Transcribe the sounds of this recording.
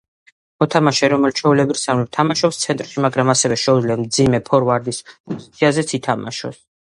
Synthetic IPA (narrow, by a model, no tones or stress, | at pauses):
mɔt̪ʰamaʃɛɾɔmɛlt͡ʃʰɛulɛbiɾsalɛp̚t̪ʰamaʃɔpst̪sʰɛnt̪ʼɾʃimaɡɾamasɛvɛʃɛud̪zliamd̪zimɛpʰɔɾvaɾd̪ispʼɔzit̪sʰiazɛt̪sʰit̪ʰama̰ʃɔ̰s